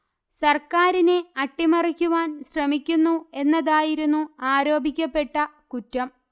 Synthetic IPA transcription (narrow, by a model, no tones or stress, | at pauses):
sɐrkaːɾineɐʈːimɐrikʲːuʋaːnɕrɐmikʲːunːue̞nːɐðaːjiɾunːuaːɾo̞ːbʱikʲːɐpːe̞ʈːɐ | kutːɐm